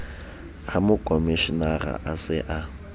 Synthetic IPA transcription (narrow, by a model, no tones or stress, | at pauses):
amʊkʼomiʃinara̰ʔasɪʔa